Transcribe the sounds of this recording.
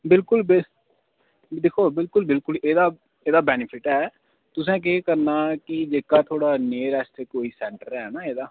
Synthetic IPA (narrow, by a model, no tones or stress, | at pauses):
bɪlkʊlbɪ | d̪eːkʰoːbɪlkʊlbɪlkʊlʔeːd̪aː | eːd̪aːbɛːnɪpʰɪʈɦɛː | t̪ʊsɛ̃ːk̬eːkəɾnaːkɪd͡ʒeːkaːt̪ʰoːɽaːneːɾɛːst̪ʰeːkoːiːsɛ̃ːɳʈəɾɛːnaːeːd̪aː